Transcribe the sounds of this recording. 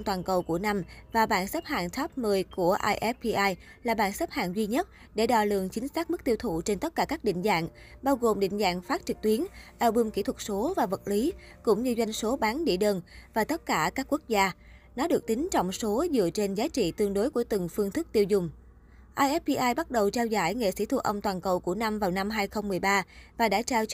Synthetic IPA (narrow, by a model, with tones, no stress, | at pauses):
ŋ͡mt̪waː˨˩nkə˨˩wku˧˩əna˧mvaː˨˩ɓa̰ː˧˨nsɛ˦˥p̚ha̰ː˧˨nt̪ʰa˦˥p̚mɨː˨˩jku˧˩əʔaː˧jʔɛ˦˥p̚i˧ʔaː˧jlaː˨˩ɓaː˧˨nsə˦˥p̚ha̰ː˧˨nzwi˧ɲə˦˥t̚ | ɗe˧˩ɗɔ̰˧˩lɨ̰˧˨əŋt͡ɕï˨˦ŋ̟saː˦˥k̚mɨ˦˥k̚t̪i˧əwt̪ʰṵ˧˨t͡ɕe˧nt̪ə˦˥t̚kaː˧˩kaː˦˥k̚ɗḭ˧˨ŋ̟za̰ː˧˨ŋ | ɓaː˧wɣo˨˩mɗḭ˧˨ŋ̟za̰ː˧˨ŋfaː˦˥t̚t͡ɕɨ˨˩k̚t̪wi˨˦ənʔɛ˧wɓɨ˧mkḭ˧˥˩t̪ʰwə˨˩t̚so˨˦vaː˨˩və˨˩t̚li˨˦ | kʊ̰˧˥ŋ͡mɲɨ˧zwa˧jŋ̟so˨˦ɓaː˨˦nɗḭ˧˩əɗəː˨˩nvaː˨˩t̪ə˦˥t̚kaː˧˩kaː˦˥kːu˦˥ək̚zaː˧ | nɔ˨˦ɗɨ˨˩ək̚t̪ï˨˦ŋ̟t͡ɕɔ̰˧˨wŋ͡mso˨˦zɨ̰˧˨ət͡ɕe˧nzaː˨˦t͡ɕḭ˧˨t̪ɨ˧əŋɗo˨˦jku˧˩ət̪ɨ˨˩ŋfɨ˧əŋt̪ʰɨ˦˥k̚t̪i˧əwzʊ˨˩ŋ͡m | ʔaː˧jʔɛ˦˥p̚pi˧ʔaː˧jɓa˦˥t̚ɗə˨˩wt͡ɕaː˧wza̰ː˧˩jŋḛ˧˨sḭ˧˩t̪ʰṵ˧˩ʔə˧wŋ͡mt̪waː˨˩nkə˨˩wku˧˩əna˧mvaː˨˩wna˧mɦaː˧jxə˧wŋ͡mːɨ˨˩əjɓaː˧vaː˨˩ɗa̰ː˧˥t͡ɕaː˧w